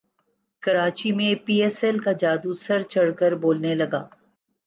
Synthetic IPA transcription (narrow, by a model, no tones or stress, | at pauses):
kɐɾaːt͡ʃimẽpiːɛːsɛlkad͡ʒaːd̪usɐɾt͡ʃɐɽkəɾboːlnelɐɡaː